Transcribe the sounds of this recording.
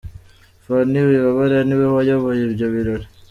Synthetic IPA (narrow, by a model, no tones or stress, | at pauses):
faniwiβaβaɾeaniwehajoβojibjoβiɾoɾe